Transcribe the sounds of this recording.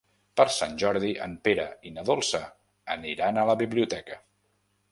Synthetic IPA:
pəɾsanʲʒɔɾðiʔə̰mpeɾəinəðolˠsəː | niɾanələβiβliut̪ɛkə

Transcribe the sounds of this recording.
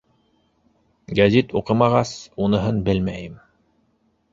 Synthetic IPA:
ɡæzit̪uqɤmɑʁɑsunɤ̆ɦɤnbɘlmæjɘm

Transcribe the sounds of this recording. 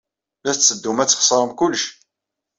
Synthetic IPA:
læsəd̪ːumæt͡sːχə̥sˤɾˤəmkʊlːəʃ

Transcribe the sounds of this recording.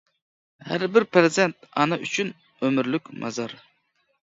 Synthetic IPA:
hæɾbɪɾpɾɨzɛnt̪̚ɑnɨyt͡ʃʰyn | ømyɾlykʲmʔɑ̰zɑɾ

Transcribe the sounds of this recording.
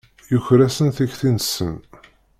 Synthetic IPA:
juçɾæsənθæçθinsə̰n

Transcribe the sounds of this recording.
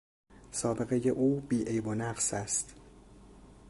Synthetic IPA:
sɒːbe̞ɣe̞je̞ʔuːbiːʔejbonæqsæst̪

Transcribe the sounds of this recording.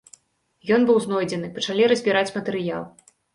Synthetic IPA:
jɔnbɨwznɔjd͡zʲɛnɨpɐt͡ʂalʲiɾɐzʲbʲiɾat͡sʲmɐt̪ɛɾɨja̰lˠ

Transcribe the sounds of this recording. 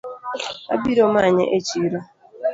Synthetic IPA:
a̰biɾomaɲḛʔet͡ʃiɾɔ

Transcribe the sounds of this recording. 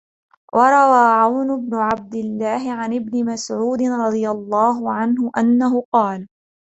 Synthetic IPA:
wʔɑɾˤɑwaːʕawnʊbnʊʕab̚d̪ɪlːaːɦɪʕanʔɪbnɪmasʕuːd̪ɪnɾˤɑd̪ˤɨjalˤːɑːɦʊʕanɦʊʔanːaɦʊqɑːl

